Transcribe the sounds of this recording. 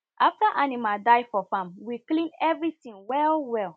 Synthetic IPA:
aftaʔanimadaɪfɔfãmwiklĩnɛvɹitĩŋwɛlwɛl

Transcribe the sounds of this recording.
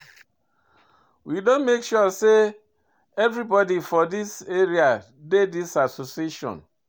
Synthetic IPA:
widõnmekʃuse | ɛvɾibɔdifɔdiseɾia | dedisasosieʃɔ̰̃n

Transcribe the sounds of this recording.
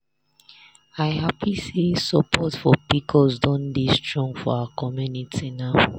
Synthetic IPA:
aɪɦapʰisesəpʰɔtfɔpikʰɔlsdɔ̃nbistɹɔ̃ŋfɔ̰awakʰɔmjunitʰinaʊ

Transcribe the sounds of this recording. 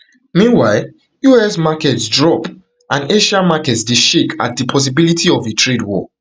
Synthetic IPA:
mĩnwaɪl | juɛsmakɛtsdɹɔp | ʔãneʃamakɛtsdeʃeka̰t̚dipʰɔs̬ibilitʰiɔvetʰɹedwɔ̰

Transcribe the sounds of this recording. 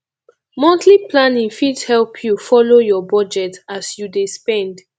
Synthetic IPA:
mɔ̃ntliplanĩŋfidhɛlpʰjufɔlojɔbɔd͡ʒɛtasjudespɛ̃nd

